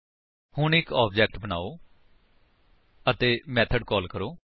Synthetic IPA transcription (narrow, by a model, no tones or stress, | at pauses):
hʊɳɪkɔːb̚d͡ʒɛːk̚ʈbəna̰ːoː | ət̪eːmɛːt̪ʰəɖkɔːlkəɾoː